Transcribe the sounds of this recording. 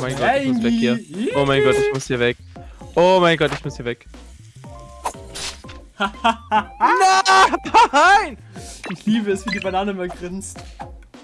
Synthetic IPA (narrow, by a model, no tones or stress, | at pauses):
maɪnɡɔʊsvɛkhiːɐoːmaɪnɡɔtɪçmʊshiːɐvɛk̚ | ʔoːmaɪnɡɔtɪçmʊshiːɐvɛk | napaaɪn | ʔɪçliːbəɛsv̥iːdiːbanaːnəɪmɐɡʁɪnt͡st